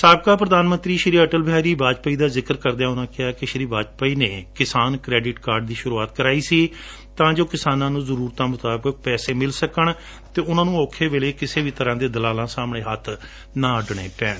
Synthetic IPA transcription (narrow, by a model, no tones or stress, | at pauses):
saːb̚kaːpɾəd̪aːnmə̃nt̪ɾiːʃɾiːəʈəlbʱaːɾiːbaːd͡ʒpəiːd̪aːzɪkəɾkəɾd̪ejaːʊnãːkɪaːkɪʃɾiːbaːd͡ʒpəiːneːkɪsaːnkɾɛːɖɪʈkaːɾɖd̪iːʃʊɾuːaːt̪kəɾaːiːsiː | t̪ãːd͡ʒoːkɪsaːnãːnũːzəɾuːɾt̪aːmʊt̪aːbək̚pɛːseːmɪlsəkəɳ | t̪eːʊnãːnũːoːkʰeːʋeːleːkɪseːʋiːt̪əɾãːd̪eːd̪əlaːlãːsaːmɳeːɦət̪ʰ | nãːəɖɳeːpɛːɳ